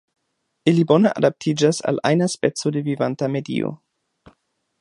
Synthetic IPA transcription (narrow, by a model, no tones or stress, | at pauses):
iliboneʔadap̚tʰid͡ʒasa̰lʔa̰jnaspet͡sodevivantamedḭo̰